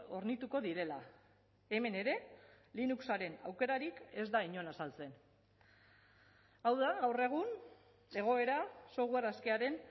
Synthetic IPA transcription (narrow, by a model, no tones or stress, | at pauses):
o̞ɾnit̪uko̞ðiɾe̞la̰ | e̞me̞ne̞ɾe̞ | linuksaɾe̞nawke̞ɾaɾike̞zd̪aiɲo̞nasalt͡se̞n | awðaɣawre̞ɣ̞un | e̞ɣ̞o̞e̞ɾaso̞ɣweraskeaɾe̞n